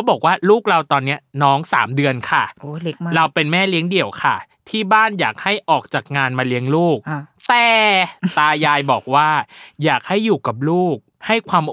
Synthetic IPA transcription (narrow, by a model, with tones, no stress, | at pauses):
kʰa˦˥bɔː˨˩k̚waː˥˩luː˥˩k̚ɾa˧wt̪ɔː˧nːi˦˥ɐnɔː˦˥ŋsa̰ː˩˦mdɯ˧ənkʰa˥˩o˧˦ɾa˧wpe˧nmɛː˥˩li˦əŋdi˧˩əwkʰa˥˩ | t̪ʰiː˥˩baː˥˩njaː˨˩k̚ha˥˩jʔɔː˨˩k̚t͡ɕaː˨˩k̚ŋaː˧nmaː˧li˦˥əŋluː˥˩k̚t̪ɛː˨˩t̪aː˧jaː˧jbɔː˨˩k̚waː˥˩jaː˨˩k̚ha˥˩jːuː˨˩ka˨˩p̬̚luː˥˩k̚ha˥˩jkʰwaː˧m